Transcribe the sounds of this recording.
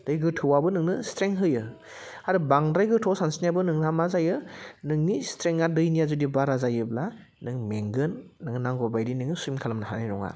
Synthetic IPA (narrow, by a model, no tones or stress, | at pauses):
d̥ɯjɡɯtʰɯwabɯnɯŋnɯstɾeŋɦɯjɯ | aɾɯbaŋdɾajɡɯtʰɔsansinijabɯnɯŋnamazajɯnɯŋnistɾeŋadɯjnijazudibaɾazajɯbla | nɯŋmeŋɡɯnː | ɯŋnaŋɡɔbajdinɯŋnɯsujmkʰalɯmnɯɦaniɾɔŋa̰